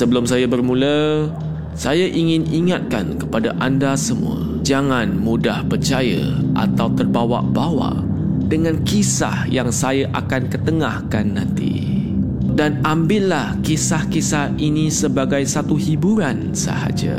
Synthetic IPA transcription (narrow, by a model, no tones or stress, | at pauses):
səbəlʊmsajabərmũlə | sajaʔiŋɪniŋat̪̚ka̰nkəpadaʔandasəmṵə̰ | d͡ʒaŋãnmudahpərt͡ʃajə̰ʔa̰t̪awt̪ərbawa̰ʔbawa̰ʔ | dəŋãnkisa̰hjaŋsajaʔa̰kankət̪əŋahkanːãnt̪ḭ | danambɪlahkisahkisahinisəbaɡajsat̪uhibuɾan | sə̰ha̰d͡ʒa̰